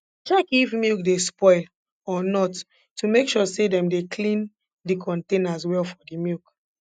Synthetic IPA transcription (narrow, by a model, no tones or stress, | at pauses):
t͡ʃɛkifmjuk̚despɔɪl | ɔnɔtː | umekʃɔsedɛ̃mdekʰlĩn | dikʰɔ̃ntẽnaswɛlfɔdimuk